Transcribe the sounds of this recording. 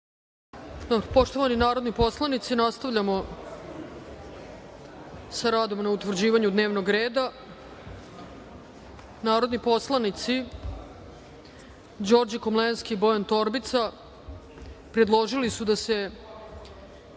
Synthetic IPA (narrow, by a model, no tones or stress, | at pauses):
d̪obɾpo̞ʂt̪oʋaninaːɾo̞d̪nipo̞slˠanit̪sinast̪aʋʎamo̞ | saɾaːd̪o̞mnaut̪ʋr̩d͡ʑiːʋaɲud̪ne̞ːʋnoɡɾeːd̪a | naːɾo̞d̪nipo̞slˠanit̪si | d͡ʑo̞ːɾd͡ʑikomlenskibojant̪o̞ɾbit̪sa | pɾe̞d̪lˠo̞ʒilisud̪ase̞